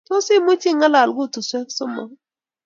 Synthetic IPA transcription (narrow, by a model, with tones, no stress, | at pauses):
to˦sɪ˦˨mʊ˦t͡ʃi˦˨ŋa˦la˨lɡʊ˦˨tʊ˨sɛ˦ksʊ˦mɔ̰˨